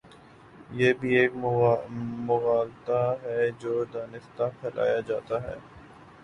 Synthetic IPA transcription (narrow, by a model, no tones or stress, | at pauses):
jeːbʱieːk | mʊɣaːlt̪aɦɛd͡ʒoːd̪aːnɪst̪apʰɛːlʔa̰ːjad͡ʒaːt̪aɦɛ̰ː